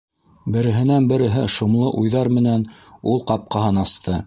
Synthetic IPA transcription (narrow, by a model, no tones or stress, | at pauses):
bɘ̆ɾɘ̆ɦɘ̆nænbɘ̆ɾɘ̆ɦɘʃŏmlˠɤʔujðɑɾmɘ̆nænulˠqɑp̚qɑɦɤnɑst̪ʰɤ